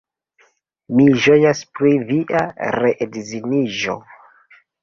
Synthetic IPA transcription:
miʒojaspɾiviʔa̰ɾeʔedziniʒo̞̰

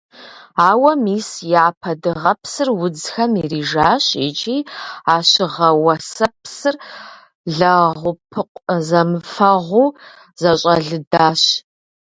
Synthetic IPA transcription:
aːwɐmiːsjɛapʰɐdɨʁɐpʰsɨrwʊd͡zxɐmiriːʒaːɕʼḭt͡ʃʼiːaːɕɪʁɐwɐsɐpsɨr | ɮɐʁʷʊpʰɨqʷʼzɐmɨfɐʁʷuː | z̥ɐɕʼɐɮɨdaːɕ

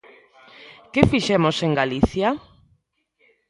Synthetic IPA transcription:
kefiʃɛmoseŋɡaliθja

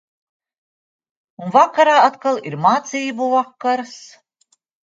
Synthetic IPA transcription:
unvakaɾaːat̪kalˠiɾmaːt̪sijbuvakːaɾs

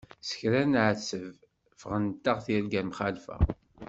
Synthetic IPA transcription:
sə̥çɾænʕəsəv | fəʁənt̪ːaʁθjælɡæmχalfæ̰

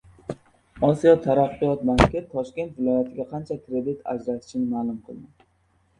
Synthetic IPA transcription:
ɒsijɒt̪ʰaɾɑqːɨjɒt̪mankʲɪt̪ʰːɒʃkʲe̞nt̪vɪlˠɒjat̪ʰɪɡʲaqʰɑnt͡ʃʰakʰʲɾe̞d̪ɪt̪ʰa̰d͡ʒɾat̪ʰɪ̥ʃɪnɪmaːlˠʊmqʰɨlˠd̪ɪ

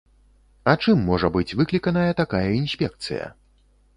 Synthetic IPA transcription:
ɐt͡ʂɨmːɔʐɐbɨt͡sʲvɨklʲikɐnɐjɐt̪akajɐinsʲpʲɛk̚t̪sɨ̰jɐ̰

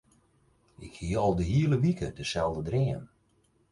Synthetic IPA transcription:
ʔɪkhiəɔlˠdəɦiələʋikʰədəsɛlˠdədrɪən

